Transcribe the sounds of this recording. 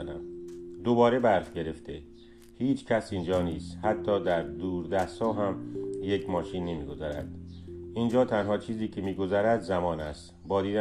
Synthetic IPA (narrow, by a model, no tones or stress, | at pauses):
næmd̪obɒːɾe̞bæɾfɟe̞ɾe̞ft̪e | hiːt͡ʃʰcʰæsind͡ʒɒːniːst̪hæt̪ʰːɒːd̪æɾd̪uːɾd̪æshɒːɦæmjekʰmɒːʃiːnːimiːɡo̞zæɾæ̰d̪̥ʔind͡ʒɒːt̪ʰænhɒːt͡ʃʰiːziːcʰemiːɡo̞zæɾæd̪zæmɒːnæst̪ | bɒːd̪iːd̪æ